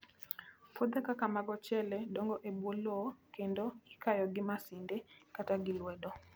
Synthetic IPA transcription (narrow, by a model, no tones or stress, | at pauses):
fɔðɛkakamaɡɔt͡ʃɛlɛɗɔŋɡɔʔɛɓwɔlɔkɛndɔikajɔɡemasindɛkataɡilwɛɗɔ